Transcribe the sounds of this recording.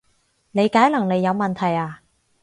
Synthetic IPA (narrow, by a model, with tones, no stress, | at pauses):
ne˨˧jkaː˨˥jlɐ˨˩ŋne˨˧jːɐ˨˧wmɐ˨˩nt̪ʰɐ˨˩jaː˨˧˩